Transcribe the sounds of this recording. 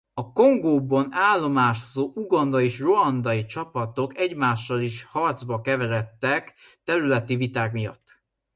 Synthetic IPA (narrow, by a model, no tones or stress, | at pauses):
ɒko̞ŋɡoːbɒnaːlːo̞maːʃozoːʔuɡɒnd̪ɒeːʃro̞ɒnd̪ɒjit͡ʃɒpɒt̪o̞kɛɟmaːʃːɒliʃhɒrd̪zbɒkɛvɛɾɛt̪ːɛkt̪ɛɾylɛt̪ivit̪aːkmijɒ̰t̪ː